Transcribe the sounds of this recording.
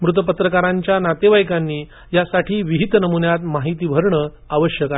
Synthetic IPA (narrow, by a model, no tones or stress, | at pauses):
mɾut̪əpət̪ɾəkaɾãɲt͡ɕjanat̪eʋajkanːiː | jasaʈʰiːʋiɦit̪nəmunjat̪maɦit̪iːbʱəɾɳə | aʋəɕjəka